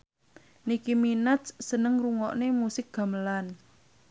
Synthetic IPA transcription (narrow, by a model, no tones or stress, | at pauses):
nikiminat̪ssənəŋruŋɔʔnemusɪk̚ɡ̥a̤məlan